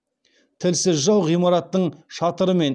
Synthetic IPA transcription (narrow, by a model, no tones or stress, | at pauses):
t̪ʰɪlsɪzʒɑwʁijmɑɾɑt̪ːəɴʃɑt̪əɾəme̞n